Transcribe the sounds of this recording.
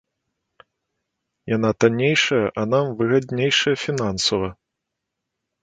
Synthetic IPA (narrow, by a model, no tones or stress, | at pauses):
janat̪anʲejʂɐjɐʔɐnamvɨɣad̪ʲnʲejʂɐjɐfʲinansɐvɐ